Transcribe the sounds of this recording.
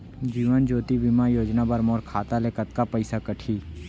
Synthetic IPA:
d͡ʒiːʋənd͡ʒoːt̪ibimajoːd͡ʒnabɐɾmɔːɾkʰaːt̪alekət̪̚kapəɪsakəʈʰiː

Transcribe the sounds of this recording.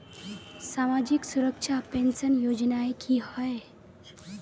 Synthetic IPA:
samad͡ʑiksuɾəkʂapensənjod͡ʑnaekʰihəj

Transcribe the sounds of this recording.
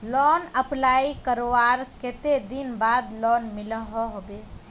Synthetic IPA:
lɔnəplaikəɾowaɾket̪ed̪inbad̪lɔnmɪləɦɔɦobe

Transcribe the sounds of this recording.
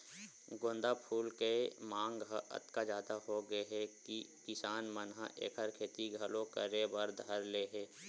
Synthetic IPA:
ɡõːnd̪apʰuːlkemãːŋɡɦə̰t̪kad͡ʒjaːd̪aɦoɡəeɦɛkikɪsaːnmənɦa̰ʔḛːkʰəɾkʰeːt̪iɡʱəlõkə̰ɾebəɾd̪ʱəɾleːɦɛː

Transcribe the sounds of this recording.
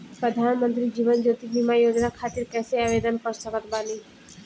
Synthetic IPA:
pɾəd̪ʱaːnmənt̪ɾid͡ʒiːʋənd͡ʒot̪ibimajoːd͡ʒnakʰaːt̪iɾkɛːseaːʋed̪ənkəɾsəkət̪baːni

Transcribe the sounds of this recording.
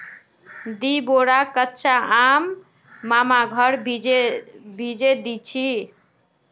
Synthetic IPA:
d̪iboɽakətːt͡ʃʰaamː | amaɡʱəɽd͡ʒebʱid͡ʒed̪it͡ʃʰi

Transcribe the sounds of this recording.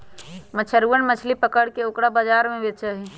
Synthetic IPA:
mət͡ʃʰəɾuənmət͡ʃʰlipəkəɽkeokɽabəd͡ʒaɾmẽbet͡ʃəɦi

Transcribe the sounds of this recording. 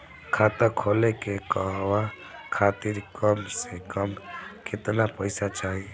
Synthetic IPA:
kʰaːt̪ãkʰoːlekekəɦʋa | kʰaːt̪ɪɾkəmsekəmkɪt̪napəɪsat͡ʃaːɦie

